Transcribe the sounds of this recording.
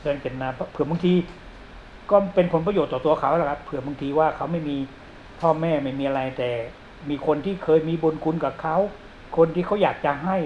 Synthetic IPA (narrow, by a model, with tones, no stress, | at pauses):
ɯ˧˨nke˨˩naː˧˩pʰpʰɯ˨˩ɐbɯ˧ŋt̪ʰiː˧ | kɔː˥˩pe˧npʰo˨˦npa˧joː˨˩t̪ːɔː˨˩t̪u˧ɐkʰa˨˦˥wkʰa˦˥ppʰːɯ˨˩ɐbɯ˧ŋt̪ʰiː˧waː˥˩kʰa˦˥wma˥˩jmiː˧ | pʰɔː˥˩mɛː˥˩ma˥˩jmiː˧ʔa˧ɾa˧jt̪ɛː˨˩ | miː˧kʰo˧nt̪ʰiː˥˩kʰɤː˧jmiː˧bo˧nkʰu˧nka˨˩kʰa˦˥˩w | kʰo˧nt̪ʰiː˥˩kʰa˦˥˩wjaː˨˩k̚t͡ɕa˧ɦa˥˩j